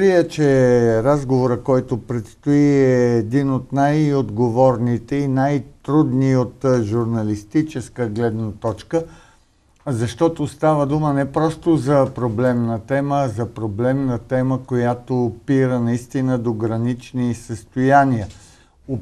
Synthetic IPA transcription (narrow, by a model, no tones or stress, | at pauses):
ɾiɛt͡ʃɛɾazɡovoɾəkɔjt̪opɾɛt̪st̪oiɛːd̪inot̪najod̪ɡovɔɾnit̪ɛinajt̪ɾud̪niot̪ʒuɾnɐlist̪it͡ʃɛskəɡlɛd̪nət̪ɔt͡ʃkə | zɐʃt̪ɔt̪ost̪avəd̪umənɛpɾɔst̪ozɐpɾoblɛmnət̪ɛməːzɐpɾoblɛmnət̪ɛməkojat̪oːpiɾənɐist̪inəd̪oɡɾɐnit͡ʃnisəst̪ojaniə | o